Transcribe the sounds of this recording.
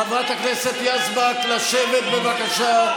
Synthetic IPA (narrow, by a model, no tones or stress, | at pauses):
amat̪hakneset̪jazbaklaʃevet̪bevakaʃa